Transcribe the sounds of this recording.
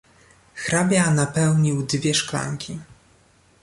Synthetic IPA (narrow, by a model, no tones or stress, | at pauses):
xɾabʲjanapɛwɲiwd̪vʲjɛʂkla̰ŋkʲi